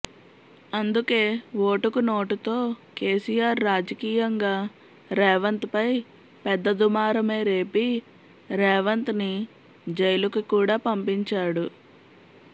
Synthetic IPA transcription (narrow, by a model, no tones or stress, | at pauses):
ɐnd̪uke̞ːʋoːʈukuno̞ːʈut̪o̞ːke̞ːsijaːɾːaːd͡ʒɐkiːjɐŋɡaː | ɾɛːʋɐnt̪pɐj | pɛd̪ːɐd̪umaːɾɐme̞ːɾe̞ːpi | ɾɛːʋɐnt̪ni | d͡ʒɐjlukukuːɽaːpɐmpiɲt͡ʃaːɽu